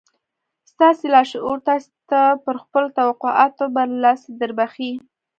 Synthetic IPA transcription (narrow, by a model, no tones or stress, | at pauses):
st̪ɑselɑʃuɾt̪ɑs | t̪apəɾxpəlot̪awaqoʔɑ̰t̪obalɑsed̪əɾbaxi